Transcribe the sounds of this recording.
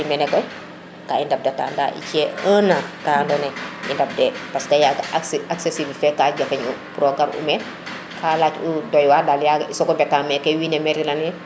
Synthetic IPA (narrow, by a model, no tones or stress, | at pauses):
imɛnɛkɔj | kaːindɐp̚depta̰ːnda̰ʔḭt͡ʃɛəːnakaːndɔnɛjḭndɐp̚dɛpɐstɐjaɡaksesiblfɛkaɟɐfɐɲṵpuɾɔɡɐɾṵmɛ | kʰaːlaːt͡ʃudɔjwaːdaljaɡisɔkɔbɛtaːmɛkɛwinɛmɛɾilɐnɛ